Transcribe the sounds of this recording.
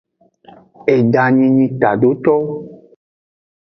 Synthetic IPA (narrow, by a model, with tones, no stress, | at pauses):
e˨ɖa˨ɲĩ˧ɲĩ˨t̪a˨ɖo˨˦t̪ɔ˦